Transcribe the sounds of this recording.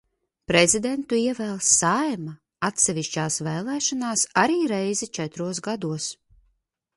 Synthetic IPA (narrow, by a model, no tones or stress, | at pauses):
pɾɛzid̪ent̪uiɛvɛːlˠsːajma | at̪sɛviʃt͡ʃaːsvɛːlˠɛːʃanaːsaɾiːɾɛjzɛt͡ʃɛt̪ɾuɔsɡad̪uɔs